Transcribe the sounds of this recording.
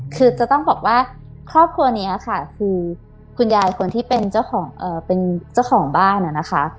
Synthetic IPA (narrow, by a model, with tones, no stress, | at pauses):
kʰɯː˧t͡ɕa˨˩t̪ɔ˥˩ŋbɔː˨˩k̚waː˥˩ | kʰɾɔː˥˩p̚kʰɾu˧ɐni˦˥a˨˩kʰa˥˩kʰɯː˧ | kʰu˧njaː˧jkʰo˧nt̪ʰiː˥˩pe˧nt͡ɕa˥˩wkxʰɔː˩˦ŋʔɤː˨˩pe˧nt͡ɕa˥˩wxʰɔː˩˦ŋbaː˥˩na˨˩na˦˥xʰa˦˥ʔ